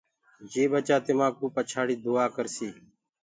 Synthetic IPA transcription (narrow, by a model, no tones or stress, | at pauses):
d͡ʒeːbət͡ʃaːt̪ɪmãːkuːpət͡ʃʰaːɽiːd̪ʊːaːkəɾsiː